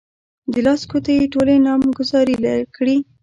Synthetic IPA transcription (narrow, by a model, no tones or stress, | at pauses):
d̪əlɑskot̪ajeʈolenɑmɡʊzɑɾilakɽi